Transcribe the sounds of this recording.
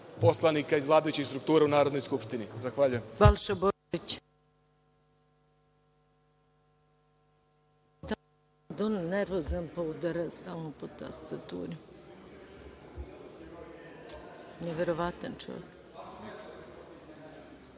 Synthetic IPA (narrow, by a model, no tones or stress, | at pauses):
poslˠanikaizʋlˠaːd̪ojut͡ɕist̪ɾuk̚t̪uːɾaunaːɾod̪nojskupʃt̪inizaxʋaʎujembalˠʃabo | it͡ɕ | d̪a | d̪onneɾʋozanpoud̪aɾast̪alnopot̪a̰st̪at̪ṵːɾi | neʋeɾoʋat̪ant͡ʃo̰ʋḛk